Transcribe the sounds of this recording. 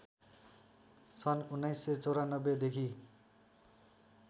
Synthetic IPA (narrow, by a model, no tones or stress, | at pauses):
sʌnunːajsːet͡sʌwɾanʌbːed̪ekʰi